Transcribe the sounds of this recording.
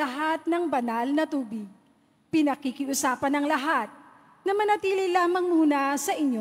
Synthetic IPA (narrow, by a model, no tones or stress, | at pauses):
ɐɦat̪̚nɐŋbɐnalnɐt̪uːbɪɡ̚ | pɪnɐkɪkɪʔʊsaːpɐnɐŋlɐɦat̪̚ | nɐmɐnɐt̪iːlɪlaːmɐŋmuːnɐsɐʔɪɲo